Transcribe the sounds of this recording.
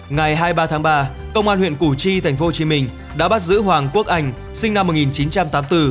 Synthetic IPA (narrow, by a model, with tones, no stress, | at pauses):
ŋa˨˩jɦaː˧jɓaː˧t̪ʰaː˨˦ŋɓaː˧ | kə˧wŋ͡mʔaː˧nhwḭ˧˨ənku˧˩t͡ɕi˧t̪ʰa˨˩jŋ̟fo˨˦o˨˩t͡ɕi˨˦mï˧˩ŋ̟ | ɗa̰ː˧˥ɓa˦˥t̚zɨ̰˧˥ɦwaː˨˩ŋku˦˥ək̚ʔa˧˩jŋ̟ | sï˧ŋ̟na˧mːo˨˩ŋi˨˩nt͡ɕi˨˦nt͡ɕa˧mt̪aː˨˦mt̪ɨ˧